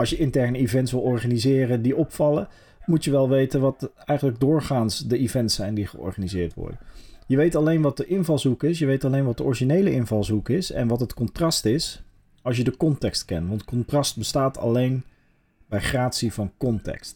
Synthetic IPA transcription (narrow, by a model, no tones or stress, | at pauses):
ɑlsjəʔɪntɛɹnəivɛntsʋɪlˠɔɹχanizɪːrədiɔpfɑlə | mutjəʋɛlˠʋejtənʋɑtɛjχənləɡ̚dʊːɹχaːnsdəivɛntsɛjndiχəʔɔ̰ɹχanizɪːɹtʋɔ̰ɹdəjəʋejtɑlejnʋɑt̚dəʔɪnvɑlˠzukɪsjəʋejtɑlejnʋɑt̚dəʔɔɹʒinejləʔɪnvɑlˠzukɪsɛ̰nʋɑtɦətkɔntrɑstɪs | ɑlˠs̬jədəkɔntɛkstkɛntʋɑntkɔntrɑst̚bəstaːtʰɑ̰lejn | bɛjχraːtsivɑnkɔntɛ̰kst